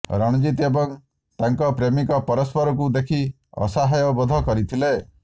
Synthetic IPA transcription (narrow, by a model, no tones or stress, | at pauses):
ɾɔɽ̃d͡ʒit̪ebɔŋ | t̪aŋkɔpɾemikɔpɔɾɔspɔɾɔkud̪ekʰi | ɔ̰saɦajɔbɔd̪ʱɔkɔɾit̪ʰile